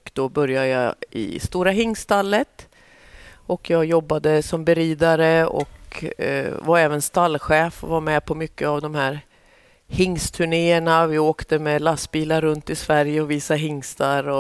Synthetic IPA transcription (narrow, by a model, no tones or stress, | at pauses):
kd̪̥ɔbœɾjajɑ̰ɪ̰st̪uːɾaɦɪŋːst̪alːət̪ | ɔkʰjɑːɡjɔbːad̪əsɔmbɛɾiːd̪aɾəɔ̰k | vaɾɛːvənst̪alːɧɛːfɔ̰vaɾmɛpʰɔmʏkːəavd̪ɔmhæɾ | hɪŋːst̪ʰɵɳeːəɳavɪoːkt̪əmɛlast̪biːlaɾːɵnt̪ɪsvæɾjəɔviːsaɦɪŋːst̪aɾɔ